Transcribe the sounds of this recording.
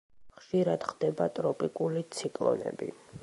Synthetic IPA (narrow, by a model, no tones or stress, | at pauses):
χʃiɾad̪̥χd̪ɛbat̪ʼɾɔpʼikʼulit̪sʰikʼlˠɔ̰nɛ̰bḭ